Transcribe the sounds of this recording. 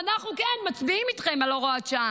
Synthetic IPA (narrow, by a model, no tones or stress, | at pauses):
anaχnukenmat͡sbiimitχe̞maloʁoatʃaa